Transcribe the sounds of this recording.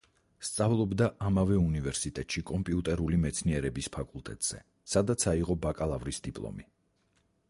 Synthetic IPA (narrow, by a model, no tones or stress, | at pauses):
st̪sʼavlˠɔbd̪aʔamavɛunivɛɾsit̪ʼɛt̪ʼʃikʼɔmpʼiut̪ʼɛɾulimɛt̪sʰniɛɾɛbispʰakʼulˠt̪ʼɛ̰t̪ʼz̥ɛ̰ | sad̪at̪sʰaiʁɔbakʼalˠavɾisd̪ipʼlˠɔ̰mi